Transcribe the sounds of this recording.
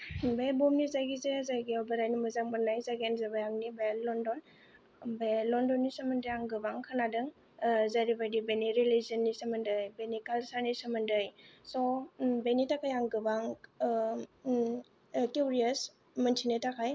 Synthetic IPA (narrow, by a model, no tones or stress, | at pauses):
bebɔmnizajɡizezajɡiawbaɾajnimɯzaŋ̚manajzaɡenzabajaŋnibelɔndɔn | belɔndɔnːisaməndjaŋɡɯbaŋkʰanadɯŋ | zaɾibadibeniɾiliziənːisamɯndɯjbenikalsanisamɯndɯjsɔbenitakʰajaŋɡɯbaŋ | kjuɾias | məntʰinetakʰaj